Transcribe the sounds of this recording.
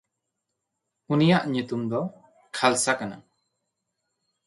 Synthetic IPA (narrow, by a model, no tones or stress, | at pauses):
unijaʔɲut̪umd̪ɔ | kʰalsakana̰